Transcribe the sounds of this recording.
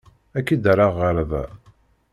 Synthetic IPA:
ækːid̪ɾaʁːəɾðæ̰

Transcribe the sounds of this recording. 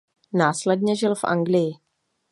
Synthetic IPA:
naːslɛd̚ɲɛʒɪlfʔa̰ŋɡlɪjɪ

